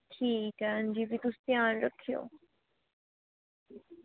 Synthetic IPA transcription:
ʈʰiːkaənd͡ʒibit̪ust̪jaːnɾəkʰijo̰ː

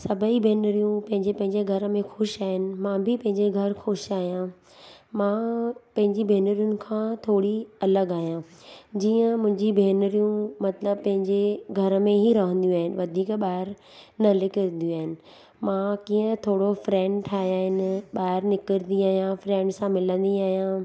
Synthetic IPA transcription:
sɐbʱəibʱeːnɾijũpɐ̃ɦɪ̃ɲd͡ʑepɐ̃ɦɪ̃ɲd͡ʑeɡʱɐɾəmẽxʊʃaːɦɪnɪ̆mãːbʱɪpɐ̃ɦɪ̃ɲd͡ʑeɡʱɐɾxʊʃaːɦijã | mãːpɐ̃ɦɪ̃ɲd͡ʑibʱeːnəɾijʊnɪ̆kʰãːt̪ʰoːɽiɐləɡaːɦijãd͡ʑiːə̃mʊ̃ɦɪ̃ɲd͡ʑibʱeːnəɾijũmɐt̪ləbpɐ̃ɦɪ̃ɲd͡ʑeɡʱɐɾəmẽɦiɾɐɦə̃nd̪jũaːɦɪnɪ̆ʋɐd̪ʱiːkɓaːɦɪɾ | nɐlɪkəɾnd̪ijũaːɦɪnɪ̆ | mãːkiːə̃t̪ʰoːɽofɾɛ̃ːɳɖʈʰaːjaːɦɪnɪɓaːɦɪɾnɪkəɾnd̪iaːɦijãfɾɛ̃ːɳɖsãmɪlə̃nd̪iaːɦijã

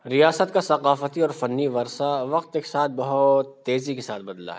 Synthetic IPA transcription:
ɾijaːsət̪̚kasɐqaːfət̪iɔːɾfɐnːiʋɐɾsaʋɐqt̪ekesaːt̪̚ʰbɐɦʊt̪ːeːzikesaːt̪̚ʰbɐd̪la̰ɦɛː

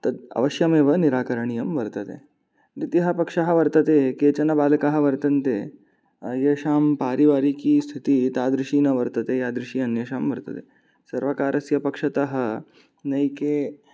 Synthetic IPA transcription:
t̪ɐd̪ɐ̰ʋɐʃjɐmeːʋɐniɾaːkɐɾɐɳ̃ijɐmʋɐɾt̪ɐt̪ḛ | d̪it̪iɦɐpɐkʂɐɦɐʋɐɾt̪ɐt̪eːkeːt͡ɕɐnɐbaːlkaɦɐ̆ʋɐɾt̪ɐnt̪eː | jeʃaːmpaːɾiʋaːɾikiːst̪ʰit̪iːt̪aːd̪ɾiʃiːnɐʋɐɾt̪ɐt̪eːjaːd̪ɾɪʂiːɐnjɐʃaːmʋɐɾt̪ɐ̰t̪ḛ | sɐɾʋɐkaːɾɐsjɐpɐkʂɐt̪ɐɦɐ̆ | nɐjkeː

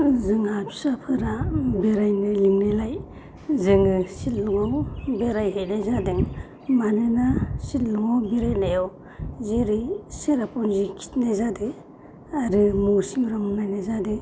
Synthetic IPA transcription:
zɯŋapʰsapʰɯɾabeɾajnɯliŋnelaj | zɯŋɯsilluŋawbeɾajɦetnajzadeŋ | manɯnasitluŋawbiɾajnajaw | zeɾiseɾapɔnzikʰi̥tnajzade | aɾɯmusimɾɯmnajnazade

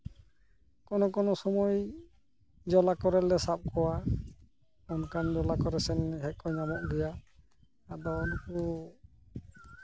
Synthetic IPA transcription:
kɔnɔkɔnɔsɔmɔj | d͡ʒɔlakɔɾɛlːɛsap̚kɔwa | ɔnkand͡ʒɔlakɔɾɛsɛnɦɛk̚ɔɲamɔʔɡɛjaː | d̪ɔɔnku

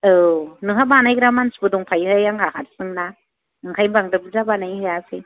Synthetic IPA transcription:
ɯnɯɦabanajɡɾamansbɯduŋpʰajhɯjaŋhʰakatsɯŋna | ɯŋkʰajbaŋdɯbɯzabanajhɯjasʰe

